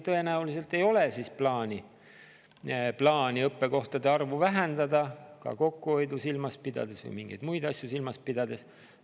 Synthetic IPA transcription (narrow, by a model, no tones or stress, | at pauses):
t̪ɤe̞næulis̬e̞lt̪e̞jo̞le̞sisplɑːnʲi | plɑːnʲiɤpːe̞ko̞ht̪ɑd̪e̞ɑrvuvæɦend̪ɑd̪ɑkɑ̰ko̞kːuo̞jd̪usilmɑspid̪̥ɑ̰d̪̥e̞svɤ̰jmiŋɡ̥ejd̪̥mujd̪̥ɑsʲjusilmɑs̚pid̪̥ɑd̪̥e̞s